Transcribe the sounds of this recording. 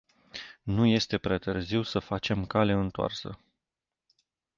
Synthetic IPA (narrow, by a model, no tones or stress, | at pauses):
nuje̞st̪e̞pɾeat̪ɨrziwsəfat͡ʃe̞mkale̞ɨnt̪oa̰rsə̰